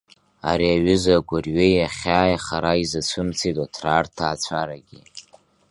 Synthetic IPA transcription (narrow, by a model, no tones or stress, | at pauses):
aɾiaɥʏzaɡʷʊrɥejaχʲaːjaχaɾaizat͡sʷʰɨmt͡sʰetʼatʰraːrtʰaːt͡sʷʰaɾaɡʲi